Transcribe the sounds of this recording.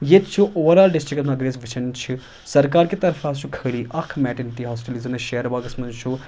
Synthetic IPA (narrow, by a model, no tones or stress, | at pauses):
jet̪t͡ʃʰuʔoːʋəɾaːlɖɪsʈɾɪkt̪nɐɡɾeːsʋɪt͡ʃʰɐnt͡ʃʰu | sɐɾkaːɾket̪ɐɾfʰaːst͡ʃʰukʰəɽiːʔɐkʰːmɛːʈɪnt̪iːɦɔːsʈəlizɐnʃeːɾʋaːɡɐsmɐ̃nd͡ʒt͡ʃʰu